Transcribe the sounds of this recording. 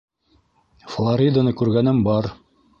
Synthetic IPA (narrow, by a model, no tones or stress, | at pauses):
flˠaɾʲid̪anɤkʉɾɡænɘmbɑɾ